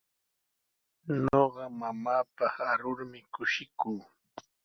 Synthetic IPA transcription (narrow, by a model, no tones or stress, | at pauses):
noɢɑmamaːpɑχaɾʊɾmɪkʊʃɪkuː